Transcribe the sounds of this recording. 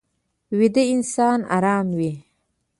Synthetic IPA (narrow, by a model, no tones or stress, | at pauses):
wid̪əinsɑːna̰ɾɑːmwi